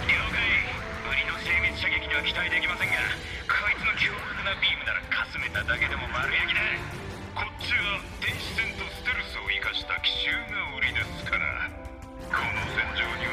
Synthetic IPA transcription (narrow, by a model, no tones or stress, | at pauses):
oːkai | ɯ̟ɾʲino̞se̞ːmʲit͡sɨ̥ɕaɡe̞kʲiɲ̟iβakʲi̥t̪aid̪e̞kʲimasẽ̞ŋɡa | kʰaait͡sɨno̞kʲʰoːhokɯnabʲiːmɯ̟naɾa̰kʰasɨme̞t̪ad̪ake̞d̪e̞mo̞maɾɯ̟jekʲid̪a | kʰo̞t͡ɕɨːβa | d̪ẽ̞ɰ̃ɕi̥sẽ̞nt̪o̞sɨ̥t̪eɾɯ̟sɨoikaɕi̥t̪akʲi̥ɕɨːnoɯ̟ɾʲid̪e̞sɨ̥kʰaɾa̰ | kʰonosẽ̞ɲd͡ʑoːɲi